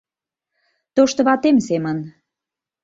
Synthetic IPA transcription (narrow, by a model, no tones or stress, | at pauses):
t̪oʃt̪ə̆βɑt̪emsemən